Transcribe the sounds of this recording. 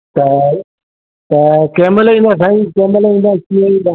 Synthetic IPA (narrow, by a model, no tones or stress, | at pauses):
t̪ɐ | t̪ɐkeːmɪlĩːnd̪aːsãːĩːkeːməlĩːn̆d̪aːkiːaĩːn̆d̪aː